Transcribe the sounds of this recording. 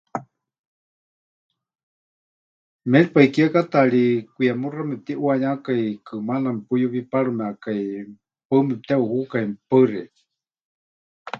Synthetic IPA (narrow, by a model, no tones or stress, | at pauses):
melpaikiakat̪aɺikʷijamuramɛp̚t̪iʔwaɲakajkɨmanampujuβipaɺumɛakaj | pəmɛp̚t̪ɛuhukaimpərɛ